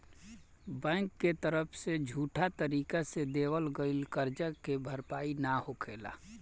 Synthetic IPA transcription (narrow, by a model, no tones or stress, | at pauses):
bɛ̃ːŋkːet̪əɾəpʰsed͡ʒʱuːʈʰat̪əɾiːkased̪eːwəlɡəɪlkəɾd͡ʒəkebʱəɾpaːinahokʰeːla̰ː